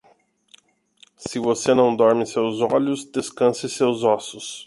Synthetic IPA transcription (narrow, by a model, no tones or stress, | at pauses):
sɪvosenɐ̃w̃d̪ɔɾmɪsewzɔʎʊsd̪eskɐ̃sɪsewzɔsʊs